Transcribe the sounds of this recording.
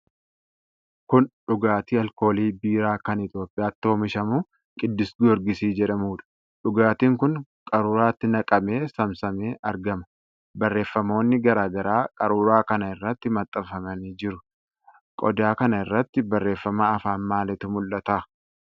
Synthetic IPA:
kʊnᶑʊɡaːt̪iːɐlko̞ːliːbiːɾaːkɐnɪt̪jo̞ːpʼːɪjaːt̪ːo̞ːmɪʃɐmuː | kʼɪd̪ːɪsɡɔɾɡɪsiːd͡ʒɛᶑɐmuːᶑɐ̥ | ᶑʊɡaːt̪iːŋkʊnkʼɐɾuːɾaːt̪ːɪnɐkʼɐme̞ːsɐmsɐmeːʔɐɾɡɐmɐ̥ | bɐrːe̞ːfːɐmo̞ːnːɪɡɐɾaːɡɐɾaːkʼɐɾuːɾaːkɐnɐɪrːɐt̪ːɪmɐt̪ʼːɐfɐmɐniːd͡ʒɪɾʊ | kʼɔ̰d̪aːkɐnɐɪrːɐt̪ːɪbɐrːe̞ːfːɐmaɐfaːnmaːlɪt̪ʊmʊlːɐt̪ɐ

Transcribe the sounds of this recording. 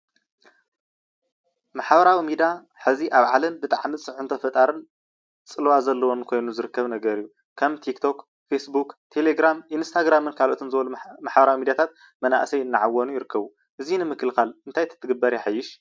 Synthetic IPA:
maħbɐɾawimid̪a | ħɨziʔaβʕalɐnbɨt̪ʼaʕmisʼɨʕunt̪ʰɐfɐt̪ʼaɾɨn | t͡sʼɨlwazɐlːɐwonkʰo̞jnuzɨɾɨkːɐβnɐɡɐɾijːu | kʰɐmt̪ʰikt̪ʰo̞k | fesbukt̪ʰe̞leɡɾamʔinst̪ʰaɡɾamɨnkʰalʔo̞t̪ʰɨnzɨβɐlumaħbɐɾawimid̪jat̪ʰat̪̚ | mɐna̰ʔsɐjɨnːɨʕawːɐnujɪɾɨkʰːɐβu | ʔɨzinɨmɨkɨlxalɨnt̪ʰajt̪ʰːɨt̪ʰːɨɡɨbːɐɾjɛħajːɪʃ

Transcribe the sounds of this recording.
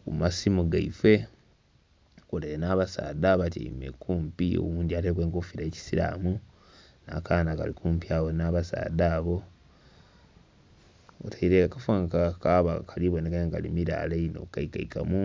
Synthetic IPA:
kumasimuɡaife̞ | koleenaβasa̰ːdaβatḭḭmḛkuːmpio̰βuːndiateːkwe̞ːŋkofiɾaeci̥siɾa̰mu | na̰kaːnaka̰likʰuːmpiawonaβasa̰ːdaːβo̞ | otʰaiɾeakafaŋkakaβakʰaliβonekajeŋkalimiɾa̰ːleino̞̰kaikaika̰mu

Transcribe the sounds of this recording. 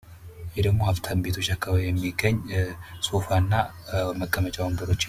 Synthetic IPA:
jɛd̪əɡmo̞haβt̪ʰambe̞t̪ʰo̞t͡ʃːakʰːəβajɛmːiɡəɲːsʼo̞fanːa | məkʼːəmət͡ʃʼawəmbəɾo̞t͡ʃː

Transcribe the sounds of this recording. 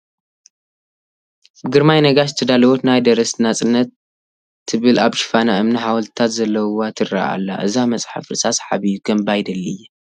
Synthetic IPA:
bɨɡɨɾmajnɐɡazɨt̪ʰɐd̪alɐwot̪najd̪ɐɾɐsnat͡sʼɨnːɐt̪ʰː | ɨβɨlaβʃɪ̥fanaʔɨmnɨħawɐlt̪t̪ʰat̪zɐlːɐwat̪ʰɨra̰a̰lːa̰ʔɨzamɐt͡sʼħa̰fɨsʼasħaβijukʰɐmbajd̪ɐlːiɨjːɛ

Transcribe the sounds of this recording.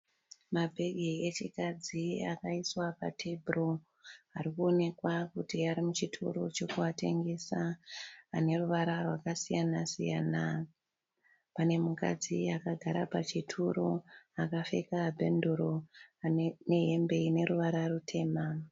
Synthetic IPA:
mabʱe̞ɡʱiet͡ʃikad͡zia̰kaiswapa̰tʰebʱro̞ | aɾikuone̞kwakutiaɾimut͡ʃitʰṵɾo̞t͡ʃo̞kuate̞̰ŋɡe̞saː | ne̞ruʋaɾarwakasijanasijaːna | pane̞muka̰d͡ziakaɡʱaɾa̰pat͡ʃitʰuɾoakafe̞̰kabʱe̞nduɾoane̞ɦe̞mbe̞ine̞ɾuʋaɾarutʰe̞ːma

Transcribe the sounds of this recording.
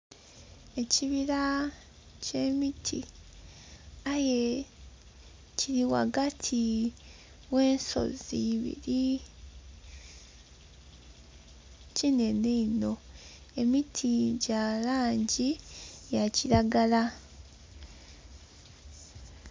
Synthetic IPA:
e̞ciβiɾa | ce̞mitʰḭ | aje̞ | ciɾiwa̰ɡatʰi | we̞ːnso̞̰ziβḭɾi | cine̞neino̞ | e̞mitʰiɟalaːɲɟijaciɾaɡala

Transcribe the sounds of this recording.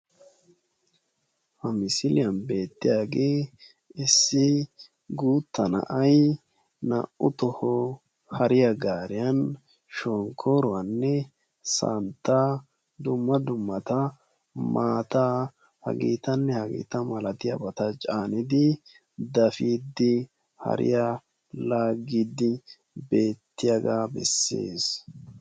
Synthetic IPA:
hɐmɪsɪlɪjɐnbe̞ːt̪ːɪjaːɡeː | ɪsːɪ | ɡuːt̪ːɐnɐ̰ʔɐj | nɐ̰ʔʊt̪ɔhɔ | hɐɾɪjɐɡaːɾɪjɐn | ʃoːŋkʰːoːɾɔwɐnːɛ | sa̰ːnt̪ːaː | d̪ʊmːɐd̪ʊmːɐt̪ɐ | maːt̪a | hɐ̰ɡḭːt̪ɐnːɛhɐɡḭːt̪ɐmɐlɐt̪ɪjɐ̰bɐt̪ɐt͡ʃʼaːnɪd̪ɪ | d̪ɐfiːd̪ɪ | hɐ̰ɾɪ̰ja | laːɡid̪ɪ | be̞ːt̪ːɪjɐɡaːbɛ̰sːe̞̰ːs

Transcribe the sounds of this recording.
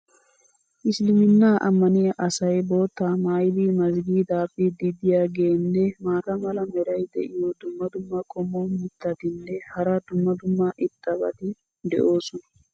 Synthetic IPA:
ʔɪslɪmɪnːaːʔɐ̰mːɐnɪjɐʔɐsɐjboːt̪ːamaːjd̪iːmɐzɡiːd̪aːpːid̪ɪd̪ɪjaːɡe̞ːnːɛmaːt̪ɐmɐlɐmɛɾɐjd̪ɛ̰ʔɪjod̪ʊmːɐd̪ʊmːɐkʼɔmːomɪt̪ːɐt̪ɪnːɛhɐɾɐd̪ʊmːɐd̪ʊmːɐʔɪt̪ʼːɐbɐ̰t̪ɪ | d̪ɛ̰ʔo̞ːsɔnɐ̥

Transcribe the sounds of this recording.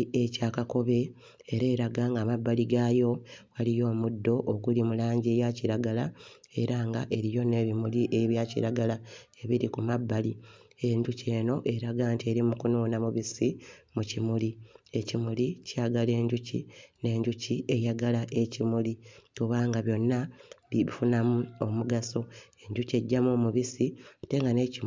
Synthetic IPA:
ecaːkako̞βe̞ | eɾe̞ːɾaɡaŋɡaːmabːaliɡaːjo̞walijo̞ːmudːo̞ʔokulimulaːɲɟejaciɾaɡalae̞ɾaŋɡa̰ʔe̞ɾijo̞ne̞βimuliʔeiβjaːcḭɾaɡalae̞βiɾikumabːalie̞ɲɟuce̞ːno̞ʔe̞ɾaɡaːntie̞ɾimukunuːnamuβisimucimulie̞cimulicaːɡale̞ːɲɟucḭne̞ːɲɟucie̞jaɡalaʔe̞cimulikuβaːŋɡaβjo̞nːaβiβifunamuo̞muɡaso̞e̞ɲɟuce̞ɟːamumuβisiate̞ŋɡane̞ci

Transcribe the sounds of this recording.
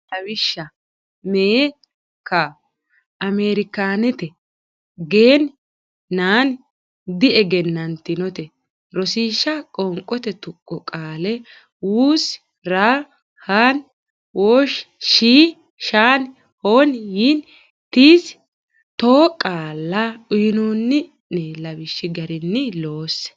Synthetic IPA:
ɐwɪʃːɐ | meː | kːɐ | ʔɐmeːɾɪkaːnɛt̪ɛ | ɡeːn | naːn | d̪ɪʔɛɡɛnːɐnt̪ɪnɔt̪ɛ | ɾɔsiːʃːɐkʼɔŋkʼːɔt̪ɛt̪ʊkʼːɔkʼaːlɛ | wuːs | ɾaː | haːn | wʔoːʃʃiː | ʃaːn | hoːnjin | t̪iːs | t̪oːkʼaːlːɐʔʊjɪnoːnːɪ | neːlɐbɪʃːɪɡɐɾɪnːɪlo̞ːsɛ̥

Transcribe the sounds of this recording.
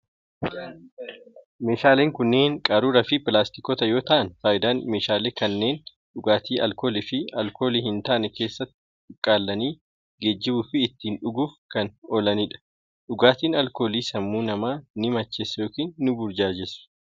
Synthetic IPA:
me̞ːʃaːleːŋkʊnːe̞ːnkʼaːɾuːɾɐfɪpɪlaːst̪ɪkɔt̪ɐjo̞ːt̪ɐʔɐnfaːjɪd̪aːnme̞ːʃaːleːkɐnːe̞ːn | ᶑʊɡaːt̪iːʔɐlko̞ːlɪfɪɐlko̞ːliːhɪnt̪aːʔnɛke̞ːsːɐt̪ːɪ̥ | ʊkʼːaːlːɐniː | ɡed͡ʒːɪbuːfɪːt̪ːiːnᶑʊɡuːfkɐnɔlɐniːᶑɐ̥ | ᶑʊɡaːt̪iːnɐlko̞ːliːsɐmːuːnɐmaːnɪmɐt͡ʃːesjo̞ːkiːnːʊbʊɾd͡ʒaːd͡ʒɛsʊ̥

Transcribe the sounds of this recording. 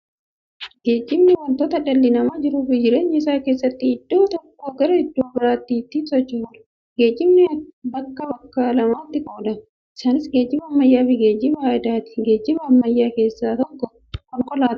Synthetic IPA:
ɡe̞ːd͡ʒːɪmnɪwɔlt̪oːt̪ɐᶑɐlːɪnɐmaːd͡ʒɪɾuːfɪd͡ʒɪɾe̞ːɲːɪɪsaːke̞ːsːɐt̪ːɪɪd̪̥ːoːt̪ɔkːoːɡɐɾɐɪd̪ːoːbɪɾaːt̪ːit̪ːinsɔt͡ʃːɪfʊᶑɐ̥ | ɡe̞ːd͡ʒːɪmnɛbɐkːɐbɐkːɐlɐmaːt̪ːɪkʼoːd̪ɐ | ʔɪsaːnɪsɡe̞ːd͡ʒːɪbɐːmːɐjːaːfɪɡe̞ːd͡ʒːɪbɐaːd̪aːt̪ɪ̥ɡe̞ːd͡ʒːɪbɐːmːɐjːaːke̞ːsːaːt̪ɔkːɔ | kɔŋkɔlaːt̪

